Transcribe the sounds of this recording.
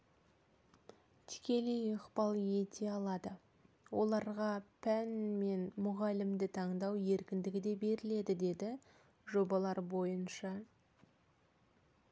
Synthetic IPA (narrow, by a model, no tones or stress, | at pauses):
t̪ʰɪ̥kʲe̞lejəqpɑlˠje̞t̪ʰe̞ɑlˠɑd̪ə | wʔo̞̰lˠɑɾʁɑpʰænme̞nmʊʁɑlɪmd̪ɪt̪ʰɑɴd̪ɑwje̞ɾkʲɪnd̪ɪɡʲɪd̪e̞be̞ɾɪle̞d̪ɪd̪e̞d̪ɪ | ʒo̞bɑlˠɑɾbo̞jənʃɑ